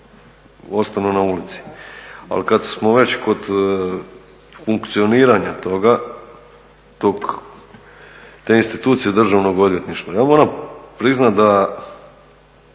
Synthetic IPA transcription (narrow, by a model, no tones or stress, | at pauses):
o̞st̪anunaulit̪si̥a̰lkad̪smoʋe̞t͡ɕko̞d̪ | fuŋkt̪sio̞niːɾaɲat̪o̞ɡa | t̪ok | t̪einst̪it̪uːt̪sijed̪r̩ʒaʋno̞ɡo̞d̪ʋje̞t̪niʃt̪ʋajaːmoɾapɾiznat̪d̪a